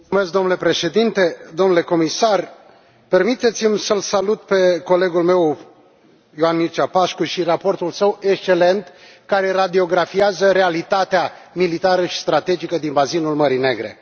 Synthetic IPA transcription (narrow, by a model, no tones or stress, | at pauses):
umesk̚d̪o̞mnule̞pɾe̞ʃe̞d̪int̪e̞d̪omnule̞ko̞misar | pe̞rmit̪e̞t̪simsəlsalut̪̚pe̞ko̞le̞ɡulme̞w | joanmirt͡ʃapaʃkuʃirapo̞rt̪ulsəwe̞kst͡ʃe̞le̞nt̪ | kaɾe̞rad̪io̞ɡɾafiazəɾe̞alit̪at̪eamilit̪aɾəʃi̥st̪ɾat̪e̞d͡ʒikəd̪inbazinulməɾine̞ɡɾe̞̰